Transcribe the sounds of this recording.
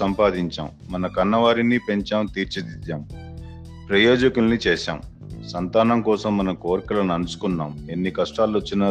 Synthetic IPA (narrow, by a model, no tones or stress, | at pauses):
ɐmpaːd̪iɲt͡ʃa̰ːm | mɐnɐkɐnːɐʋaːɾinipe̞ɲt͡ʃaːmt̪iːɾt͡ʃɐd̪id̪aːm | pɾɐjoːd͡ʒɐkulnit͡ʃɛːʃa̰ːm | sɐnt̪aːnɐmkɔːsɐmːɐnɐmkoːɾkɐlɐnɐnusu̥kunːaːme̞nːikɐʂʈaːluɐt͡ʃːinɐ